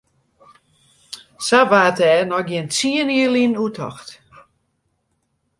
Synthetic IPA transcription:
saʋaːtɛːnɔɡjɪnt͡siəniəlˠinutʰɔ̰xt

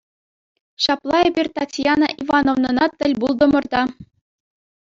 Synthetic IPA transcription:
ɕɑplˠɑebʲirʲt̪ɑtʲjɑnɑ̰ʔivɑnŏvnɤ̆nɑt̪ʲːɘ̆lʲbulˠd̪ɤ̆mɤ̆rd̪ɑ

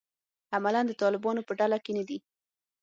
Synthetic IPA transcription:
amaland̪ət̪ɑlɪbɑnopəɖalakenad̪i

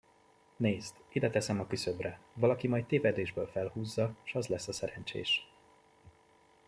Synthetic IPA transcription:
neːzd̪id̪ɛt̪ɛsɛmɒkysøbrɛvɒlɒkimɒjt̚t̪eːvɛd̪eːʒbøːlfɛlhuːzːɒʃɒzlɛsːɒsɛɾɛnt͡ʃḛːʃ

